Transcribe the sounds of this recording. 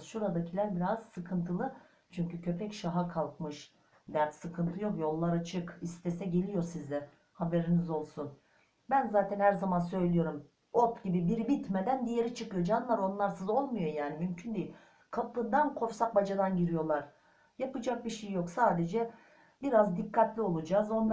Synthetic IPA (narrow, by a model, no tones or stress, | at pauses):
ʃuɾad̪acʰilʲæɾbiɾaz̥sɯkʰɯnt̪ʰɯlˠɯ | t͡ʃʰyɲcycʰø̞pʰɛcʃaɦakʰalˠkmɯʃ | d̪æɾt̪sɯkʰɯnt̪ʰɯjo̞kjo̞lˠːaɾat͡ʃʰɯkist̪ʰesɛɟe̞lʲijo̞ɾsizd̪ɛ | habe̞ɾinizo̞lˠsun | bænzaːt̪ʰɛnhæɾzamansø̞jlʲijo̞ɾum | ot̪ɟibibiɾbit̪med̪ænd̪ije̞ɾit͡ʃʰɯkɯjo̞d͡ʒanɯlˠaɾo̞nlˠaɾsɯzo̞lˠmujo̞jaːnimymcʰynd̪ejilʲ | kʰapɯnd̪ankʰo̞fsak̚bad͡ʒad̪anɟiɾijo̞lˠaɾ̥ | japɯd͡ʒak̚biʃejjo̞ksaːd̪e̞d͡ʒɛ | biɾazd̪ikʰːat̪lʲio̞lˠud͡ʒazo̞n